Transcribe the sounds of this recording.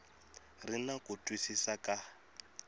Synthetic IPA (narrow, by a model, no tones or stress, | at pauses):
rinakutʼwisisakʼa